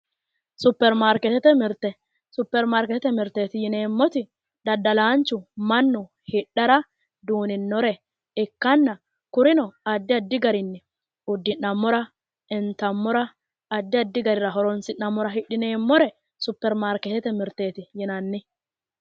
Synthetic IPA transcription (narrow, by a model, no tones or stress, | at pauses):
sʊpːɛɾmaːɾkɛt̪ɛt̪ɛmɪɾt̪ːɛ | sʊpːɛɾmaːɾkɛt̪ɛt̪ɛmɪɾt̪e̞ːt̪ɪjɪne̞ːmːɔt̪ɪ | d̪̥ɐd̪ːɐlaːnt͡ʃːʊmɐnːʊ | hɪɗːɐɾɐ | d̪uːnɪnːɔɾɛ | ɪkːɐnːɐ | kʊɾɪnɔɐd̪ːɪɐd̪ːɪɡɐɾɪnːɛ | ʊd̪ːɪnːɐmːɔɾɐ | ɛnt̪ɐmːɔɾɐː | d̪ːɪɐd̪ːɪɡɐɾɪɾɐɦɔɾɔnsɪnːɐmːɔɾɐɦɪɗːɪne̞ːmːɔɾɛ | sʊpːɛɾmaːɾkɛt̪ɛt̪ɛmɪɾt̪e̞ːt̪ɪjɪnɐnːɪ